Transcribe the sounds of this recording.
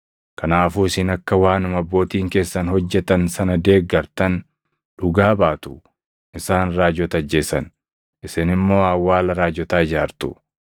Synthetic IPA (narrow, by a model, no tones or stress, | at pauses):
kɐnaːfuːɪsɪnɐkːɐwaːnʊmɐbːo̞ːt̪iːŋke̞ːsːɐnhɔd͡ʒːɛt̪ɐnsɐnɐd̪e̞ːɡɐɾt̪ɐn | ᶑʊɡaːbaːt̪ʊ | ɪsaːnɾaːd͡ʒɔt̪ɐɐd͡ʒːe̞ːsɐn | ʔɪsɪnɪmːo̞ːɐwːaːlɐɾaːd͡ʒɔt̪aːɪd͡ʒaːɾt̪ʊ